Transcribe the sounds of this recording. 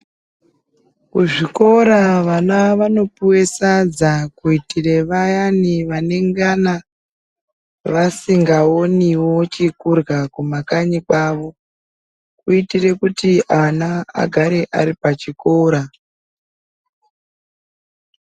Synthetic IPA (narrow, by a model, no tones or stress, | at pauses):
kuʐiko̞ɾaʋanaʋano̞puwe̞sad͡zakuitire̞ʋajaniʋane̞ŋɡana | ʋasiŋɡao̞niwo̞t͡ʃikurɣakumakaɲikwaːʋo̞ | kuitire̞kutiʔanaa̰ɡʱaɾe̞ʔa̰ɾipat͡ʃiko̞ɾa